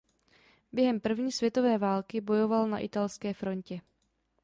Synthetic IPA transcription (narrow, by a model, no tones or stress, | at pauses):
bjɛɦɛmpr̩vɲiːsvjɛt̪o̞vɛːvaːlkɪbo̞jo̞valna̰ʔɪt̪alskɛːfɾo̞ɲcɛ